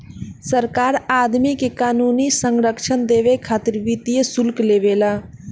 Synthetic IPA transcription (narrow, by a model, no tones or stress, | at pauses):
səɾkaːɾaːd̪mikekaːnuːnisəŋɡɾəkʃənd̪eːʋekʰaːt̪ɪɾʋit̪ijesʊlkleːʋeːlaː